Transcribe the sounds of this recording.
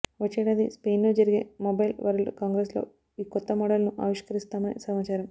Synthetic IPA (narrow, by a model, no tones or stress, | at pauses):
ʋɐt͡ʃːɛːɽaːd̪ispeːnloːd͡ʒɐɾiɡe̞̰ːmɔbɐjlʋɐɾɐlkaːŋɡɾeslo̞̰ː | iːkɔt̪ːɐmɔːɽɐlnuʔa̰ːʋiʂkɐɾist̪aːmɐnḭsɐmaːt͡ʃaːɾɐm